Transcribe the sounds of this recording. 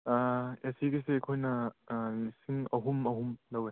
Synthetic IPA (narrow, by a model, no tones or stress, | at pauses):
aesiɡisekʰojnɐ | isiŋɐɦumɐɦumlɐwe